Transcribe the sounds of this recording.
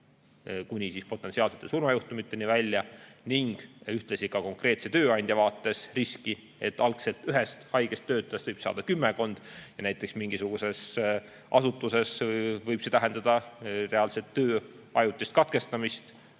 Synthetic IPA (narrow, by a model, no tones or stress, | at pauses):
kunʲisispo̞t̪ːˑe̞nsiɑːlse̞t̪ːˑesurmɑjuht̪umit̪ːe̞nivælʲːjɑniŋɡ̥yht̪lesikɑko̞ŋkre̞ːt̪se̞t̪øːɑnʲd̪̥ʲjɑvɑːt̪ːe̞sriski | e̞t̪ːˑɑlkse̞lt̪yɦest̪hɑjɡ̥e̞st̪ːø̞ːt̪ˑːest̪vɤjb̥sɑ̰ːd̪̥ɑkymːeko̞nd̪̥jɑnæjt̪ːˑe̞ksmiŋɡ̥isuɡ̥use̞s | ʔɑsut̪ːˑuse̞svɤjb̥se̞t̪æɦend̪̥ɑd̪̥ɑre̞ɑlset̪ːøː | ɑjut̪ːˑist̪̚kɑt̪ke̞st̪ɑmist̪